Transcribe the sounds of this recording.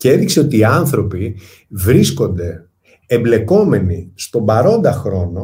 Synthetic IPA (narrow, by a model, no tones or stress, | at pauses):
cee̞ðikse̞o̞t̪iːɐnθɾo̞pi | vɾisko̞nd̪e̞ | emble̞ko̞me̞nist̪o̞mbɐɾo̞nd̪ɐxɾo̞no̞